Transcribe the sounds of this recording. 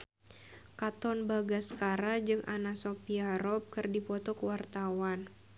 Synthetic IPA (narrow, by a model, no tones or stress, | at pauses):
kat̪ɔnbaɡasə̥kaɾad͡ʒɨŋʔa̰nasopiaɾɔp̚kɨrdipɔt̪ɔkəwart̪awan